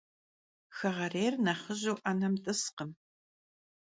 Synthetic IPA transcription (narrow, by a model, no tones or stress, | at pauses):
xɐʁɐreːrnɐχəʑuwʔɐnɐmtʼɨsqəm